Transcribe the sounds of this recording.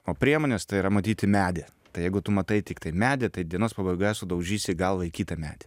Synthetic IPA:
oːpʲɾʲiɛmoːnʲest̪ɐɪiɾɐmɐt̪ʲiːt̪ʲɪmʲæːd̪ʲɪ | t̪ɐɪjɛɪɡʊt̪ʊmɐt̪ɐɪt̪ʲɪkt̪ɐɪmʲæːd̪ʲɪt̪ɐɪd̪ʲiɛnoːspɐbɐɪɡoːjɛsʊd̪ɐʊʒʲiːsʲɪɡɐlˠʋɐɪkʲiːt̪ɐmʲæ̰ːd̪ʲɛ̥

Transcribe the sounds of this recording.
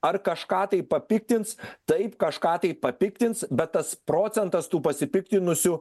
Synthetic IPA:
ɐɾkɐʃkɑːt̪ɐɪppɐpʲɪk̚t̪ʲɪnt̪st̪ɐɪpkɐʃkɑːt̪ɐɪpɐpʲɪkt̪ʲɪnt̪sbʲɛt̪ːɐspɾoːt̪sʲɛnt̪ɐst̪uːpɐsʲɪpʲɪkt̪ʲɪnʊsʲʊ

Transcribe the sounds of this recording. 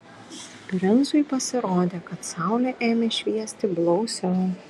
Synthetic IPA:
pʲɾʲɛnzʊjpɐsʲɪɾoːd̪ʲeːkɐt̪sɑˑʊlʲɛʔeːmʲeʃʲʋʲiɛsʲt̪ʲɪblˠɔʊsʲɛ

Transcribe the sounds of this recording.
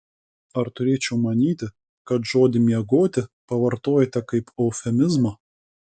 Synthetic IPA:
ɐɾt̪ʊɾʲeːt͡ʃʲɛʊmɐnʲiːt̪ʲɪ | kɐt̪ʒoːd̪ʲɪmʲiɛɡoːt̪ʲɪpɐʋɐɾt̪oːjɛt̪ʲɛkɐɪpɔʊfʲɛmʲɪzmɐ

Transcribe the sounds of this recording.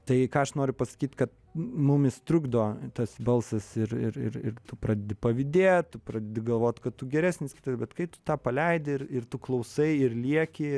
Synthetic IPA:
t̪ɐɪkɑːɐʃnoːɾʲʊpɐsɐ̥kʲiːt̪ʲkɐt̪̚ | mʊmʲɪst̪ɾʊɡd̪oːt̪ɐsbɐlˠsɐsɪɾɪ̰ɾɪ̰ɾɪ̰ɾt̪ʊpɾɑːd̪ʲɛd̪ʲɪpɐʋʲɪd̪ʲeːt̪t̪ʊpɾɑːd̪ʲɛd̪ʲɪɡɐlˠʋoːt̪ʲkɐtt̪ʊɡʲɛɾʲæːsʲnʲɪskʲɪt̪ɐsbʲɛt̪kɐɪt̪ʊ̥t̪ɑːpɐlʲɛɪd̪ʲɪɪɾɪrt̪ʊklˠɐʊsɐɪɪrlʲiɛkʲɪ

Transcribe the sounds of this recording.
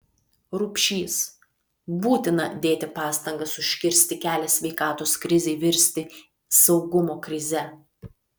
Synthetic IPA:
ɾuːpʲʃʲiːs | buːt̪ʲɪnɐd̪ʲeːt̪ʲɪpɑːst̪ɐŋɡɐsʊʃʲkʲɪɾʲsʲt̪ʲɪkʲæːlʲɛsʲʋʲɛɪkɑːt̪oːskɾʲɪzʲɛɪʋʲɪɾʲsʲt̪ʲɪ | sɒʊɡʊmoːkɾʲɪzʲɛ

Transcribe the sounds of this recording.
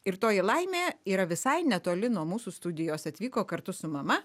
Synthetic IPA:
ɪɾt̪oːjɪlˠɐɪmʲeːiːɾɐʋʲɪsɐɪnʲɛt̪oːlʲɪnuɔmuːsuːst̪ʊd̪ʲɪjoːsɐt̪ʲʋʲiːkoːkɐɾt̪ʊsʊmɐmɐ

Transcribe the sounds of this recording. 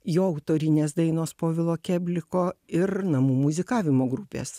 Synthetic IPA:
joːɐʊt̪oːɾʲɪnʲeːsd̪ɐɪnoːspoːʋʲɪlˠoːkʲæːbʲlʲɪkoːɪɾnɐmuːmʊzʲɪkɑːʋʲɪmoːɡɾupʲḛːs

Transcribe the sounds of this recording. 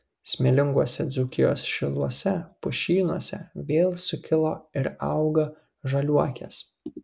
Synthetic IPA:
sʲmʲɛlʲɪŋɡuɔsʲɛd̪zuːkʲɪjo̰ːsʃʲɪlˠuɔsʲɛpʊʃʲiːnuɔsʲɛʋʲeːlˠsʊkʲɪlˠoːɪɾɐʊɡɐ | ʒɐlʲuɔkʲɛ̰s

